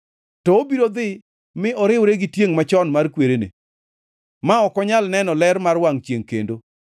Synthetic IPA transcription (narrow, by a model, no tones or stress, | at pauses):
tɔːbiɾod̪ɪ | mɪʔɔɾɪwɾeɡɪtjeŋmat͡ʃɔnmarkweɾenḛ | maɔkɔɲalnɛnɔlɛɾmarwaŋt͡ʃjeŋkḛndo